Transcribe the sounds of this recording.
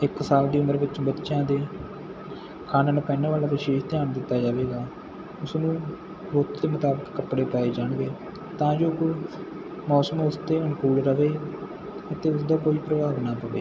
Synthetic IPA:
ɪkːsaːld̪iːʊməɾʋɪt͡ʃbətːʃãːd̪eː | kʰaːnənpɛːnaːʋaːlaːʋɪʃeːʃt̪ɪjaːnd̪ɪt̪ːaːd͡ʒaːʋeːɡaː | ʊsnũː | ɾoːt̪d̪eːmʊt̪aːbəkːəpːɽeːpaːeːd͡ʒaːɳʋeː | t̪ãːd͡ʒoː | mɔːsəmʊst̪eːɦʊnkuːɽɾəʋeː | ət̪eːʊsd̪aːkoːiːpɾəbaːʋnaːpəʋḛː

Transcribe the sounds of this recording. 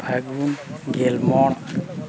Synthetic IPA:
bʱaɡunɡelmɔɽ

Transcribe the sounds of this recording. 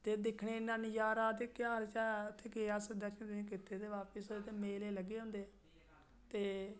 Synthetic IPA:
t̪eːd̪ekʰɽeːɪnːãːnijaːɾaːd̪eːkjaːɾt͡ʃaːʊt̪ʰːeːɡeːaːsəd̪at͡ʃːt̪ɪẽːkɪt̪ːeːd̪eːʋaːpəsod̪eːt̪eːmeːleːləɡeːʊ̃nd̪eː | t̪eː

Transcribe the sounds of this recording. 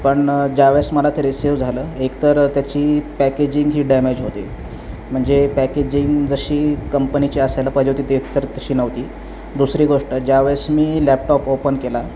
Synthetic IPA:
pəɳd͡ʑaʋesməlat̪ʰeɾisiʋd͡zʱaləːekt̪əɾt̪jat͡ɕiːpæked͡ʑiŋɡɦiːɖɛmed͡ʑɦot̪ḛ | m̤əɳd͡zepæked͡ʑiŋɡd͡zəɕiːkəmpənit͡ɕiəsajləpaɦd͡ʑeɦot̪it̪eːkt̪əɾt̪əɕiːnəʋt̪iː | d̪usɾiːɡoʂʈəd͡ʑaʋesmiːlɛp̚ʈɔpopənkela

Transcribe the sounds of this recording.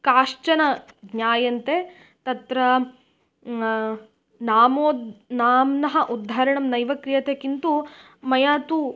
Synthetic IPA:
kaːʂt͡ʃɐnɐɡɲaːjɐnt̪e | t̪ɐt̪ɾɐ | naːmoːd̪naːmnɐɦɐʔud̪ʱːaːɾɐɳɐmnɐjʋɐkɾijɐt̪eːkint̪u | mɐjaːt̪u

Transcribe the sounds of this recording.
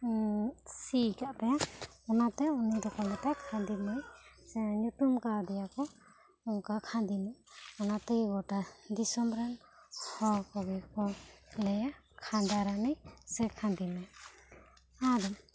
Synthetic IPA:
sikaʔt̪ɛɔnat̪ɛunid̪ɔkalɛt̪akʰãnd̪imajsɛɲut̪umkaɾd̪ɛjakɔ | ɔŋkakʰãnd̪imajɔnat̪əjɡɔʈad̪isɔmɾan | hɔwkɔɡɛkɔlɛja | kʰãnd̪aɾanijsɛkʰãnd̪imaj | ad̪ɔm

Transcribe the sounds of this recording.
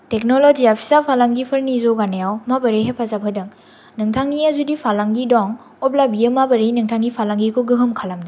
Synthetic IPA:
tek̚nolod͡ʒiapʰi̥sapʰalaŋɡipʰɐɾnizoɡanejawmabɐɾeɦepʰazapʰɯdɐŋ | nɯŋtʰaŋniazudipʰalaŋɡidɔŋ | ɔblabijəmabɐɾinɯŋtʰaŋɡipʰalaŋɡikʰoɡɯɦɯmkʰalamdi

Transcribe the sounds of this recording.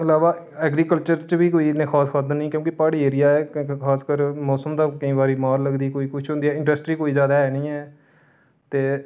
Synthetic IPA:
əlaːʋaː | ɛːɡɾiːkəlt͡ʃəɾt͡ʃʋiːkoːinẽːkʰaːskʰaːd̪ənĩːkjõːkɪpaːɽiːeːɾɪjaːɛːkʰaːskəɾmɔːsəmd̪aːkəĩːbaːɾiːmaːɾləɡd̪iːkoːiːkʊt͡ʃʰɦõːnd̪iːɛːɪ̃ɳɖəsʈɾiːkoːiːzjaːd̪aːɦɛːnĩːɛː | t̪eː

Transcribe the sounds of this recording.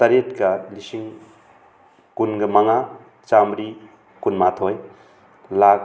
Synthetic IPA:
tɐɾet̚kɐlisiŋ | kunɡɐmaŋa | t͡ʃamɾi | kunmatʰoj | lak̚

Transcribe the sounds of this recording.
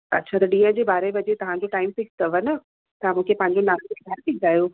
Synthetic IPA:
ɐtːɕʰat̪ɐɗĩːə̃d͡ʑeːbaːɾeʋɐd͡ʑet̪ɐʋ̤ãɲ̆d͡ʑoʈaːɪmfɪkst̪ɐʋənə | t̪amũːkʰepɐ̃ɦɪ̃ɲd͡ʑonaːseɡʱɐɾt̪iɡaːjo

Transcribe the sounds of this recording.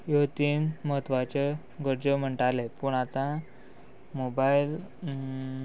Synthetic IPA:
jot̪iːnməɦət̪ʋat͡ɕe | ɡəɾd͡ʑəm̤əɳʈalepuːɳat̪ã | mobail

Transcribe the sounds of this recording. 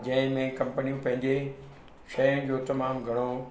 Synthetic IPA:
d͡ʑɐ̃ɦɪ̃mẽkɐ̃mpənijũpɐ̃ɦɪ̃ɲd͡ʑe | ʃɐjʊ̃nɪ̆d͡ʑoːt̪ɐmaːmɡʱɐɽ̃o

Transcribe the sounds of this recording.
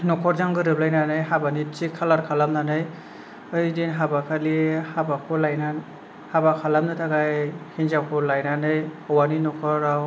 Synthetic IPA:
nɔkʰɔɾzaŋɡɯɾɯplajnanɯjɦabanit͡ʃikʰalaɾkʰalamnanɯj | ɯjdinɦabakʰalihabakʰɔlajna | habakʰalamnɯtʰaɡajhinzakʰɔlajnanɯjhɔwaninɔkʰɔɾaw

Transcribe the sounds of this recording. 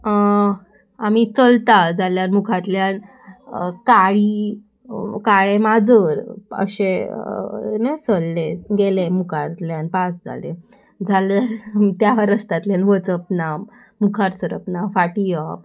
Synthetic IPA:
amit͡səlt̪ad͡zaljaɾmukʰat̪ljan | kaɭi | kaɭẽmad͡zəɾə̰ɕẽ | nesəlːẽɡelemukʰat̪ljãnpasd͡zʱa̰lḛ̃ | d͡zʱaljaɾt̪jaʋəɾəst̪at̪ljanʋət͡səp̚na | mukʰaɾsəɾəpnafaʈiəp

